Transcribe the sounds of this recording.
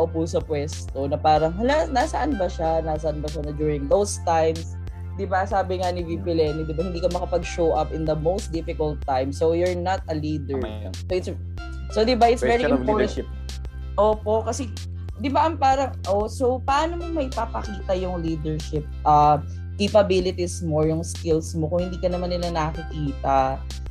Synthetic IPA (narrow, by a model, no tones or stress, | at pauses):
ʔopʊsɐpwɛst̪onɐpaːɾɐŋlanasɐʔanbɐʃanaːsɐʔanbɐʃɐnɐd͡ʒuːɹɪ̃ŋd̪owst̪ajms | d̪ɪbasaːbɪŋɐnɪvipɪlɛːnid̪ɪbahɪnd̪iːkɐmɐkɐpɐɡ̚ʃowʔɐpɪ̃nd̪ɐmowst̪̚d̪ɪfɪkɐlt̪ːajmsojʊɹnat̪ɐliːd̪ɛɹ | soɪt̪s | sod̪ɪbaʔɪt̪svɛɹiɪpɔ | ʔoːpo̞ʔkɐsɛ | d̪ɪbaʔɐŋpaːɾɐŋʔosopɐʔaːnomomɐɪpaːpɐkiːt̪ɐjʊŋliːd̪ɛɹʃɪp̚ʔɐ | kepɐbilɪt̪ɪsmojʊŋskɪlsmokʊŋhɪnd̪iːkɐnɐmanːɪlɐnɐɐkikiːt̪ɐ